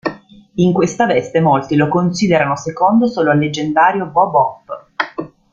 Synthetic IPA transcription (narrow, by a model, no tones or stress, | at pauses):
iŋkwest̪avɛst̪emolt̪ilokonsiːd̪eɾanosekond̪osoːloalːed͡ʒːend̪aːɾjovɔbɔpː